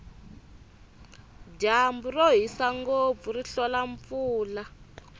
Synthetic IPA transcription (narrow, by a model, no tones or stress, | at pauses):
d͡ʒamburoɦisaŋɡob̪vuriɬɔlaɱp̪fuːla